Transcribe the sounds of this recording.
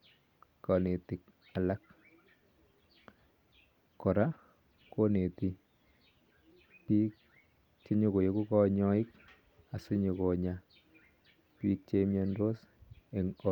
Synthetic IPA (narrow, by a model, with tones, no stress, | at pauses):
kɔ˨ne˨ti˨k̚ | a˨la˦k | kːɔ˨ɾa˦ | ko˦ne˨ti˨ | pi˦k̚ | t͡ʃe˦ɲo˨ko˨je˦ku˦kɔ˦ɲɔ˦ɪ˦k | a˨su˦ɲo˨ko˨ɲa˦ | piː˦k̚t͡ʃe˦me˦ndo˦s | e˨ŋɔ˦